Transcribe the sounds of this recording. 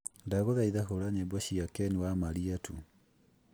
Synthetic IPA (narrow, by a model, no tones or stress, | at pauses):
ndaɣoðaiðaɦoɾaɲebɔɕiakɛniwamaɾiatʰu